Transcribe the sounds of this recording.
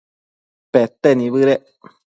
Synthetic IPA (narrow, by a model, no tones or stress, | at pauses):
pet̪enĩβɨɾe